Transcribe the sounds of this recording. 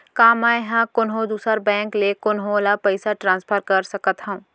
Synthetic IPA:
kaːmaːeɦãkʊnɦõd̪uːsəɾbɛ̃ːŋklekʊnɦõlapɐɪsaʈɾãːnspʰəɾkɐɾsɐkət̪ɦɐ̃ũː

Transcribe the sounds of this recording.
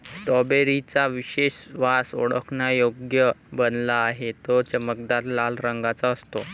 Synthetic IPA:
sʈɔbeɾit͡saʋiɕeɕʋaso̰ɽ̤ə̰kʰnajoɡjəbənlaːɦet̪ɔt͡ɕəmək̚d̪aɾlalɾəŋɡat͡saːst̪o

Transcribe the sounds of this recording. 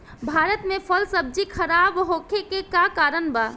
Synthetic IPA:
bʱaːɾət̪mepʰəlsəb̚d͡ʒikʰəɾaːbɦoːkʰekekakaːɾənba

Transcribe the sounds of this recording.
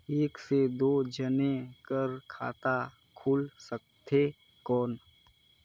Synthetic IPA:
eːksed̪oːd͡ʒənekəɾkʰa̰ːt̪a | kʰulsək̚t̪e | kɔːn

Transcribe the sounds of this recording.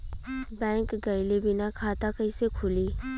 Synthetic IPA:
bɛ̃ːŋkɡəɪlebɪnakʰaːt̪akəisekʰʊliː

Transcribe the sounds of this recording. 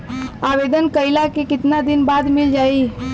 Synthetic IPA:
aʋed̪ənkəilakekɪt̪nad̪ɪnbad̪mɪld͡ʒaːi

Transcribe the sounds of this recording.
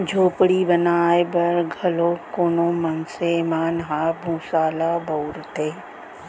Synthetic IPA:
d͡ʒʱoːpɽibənaːebɐɾɡʱɐloːkoːnoːmɐnsemaːnɦaːbʱũːsaːlaːbɐwɾt̪eː

